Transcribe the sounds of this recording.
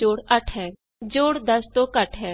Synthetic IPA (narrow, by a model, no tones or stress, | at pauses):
oːɽɐʈʰɦɛ̃ː | d͡ʒoːɽd̪ɐst̪õːkəʈʰɦɛː